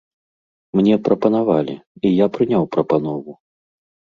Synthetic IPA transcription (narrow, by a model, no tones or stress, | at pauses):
mnʲɛpɾɐpɐn̪avalʲḭijapɾɨnʲawpɾɐpanɔvu